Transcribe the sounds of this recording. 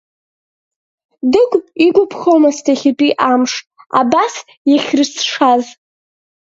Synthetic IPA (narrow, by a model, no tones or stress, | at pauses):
dɨkʷʼiɡʷʊpʰχowmastʰaχʲɪpʼiʔamʂtʼa̰bas | jaχʲrɨsʂaz